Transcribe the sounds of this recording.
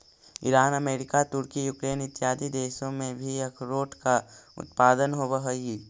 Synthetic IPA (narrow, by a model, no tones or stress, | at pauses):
ɪ̰ɾaːnəmeːɾɪkat̪ʊɾkijuːkɾeːnɪt̪ɪjaːd̪id̪eːʃõmẽbʱiekʰɾoːʈkaʊ̰t̪̚paːd̪ənɦobəɦəi